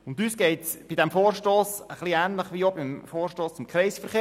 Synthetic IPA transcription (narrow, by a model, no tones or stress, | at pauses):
ʊnd̪ysɡ̥ɛɪtsb̥id̥ɛmfoːrʃtoːsəχliæːnləχʋiːobɪmfoːrʃtoːst͡sʊmkχɾɛɪsfəɾχeː